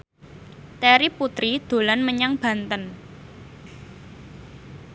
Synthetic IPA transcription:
t̪ɛɾiput̪ɾid̪̥o̤lanməɲaŋb̥ä̤nt̪ən

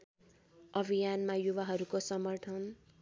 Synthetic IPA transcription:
ʌbʱijanmajuβaɦʌɾukosʌmʌrʈ̪ʰʌn

